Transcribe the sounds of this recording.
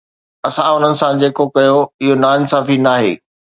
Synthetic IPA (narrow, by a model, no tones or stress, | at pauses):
ɐsãʊn̤ənɪ̆sãd͡ʑeːkokɐjoɪɦonaːɪnsaːfinaːɦḛː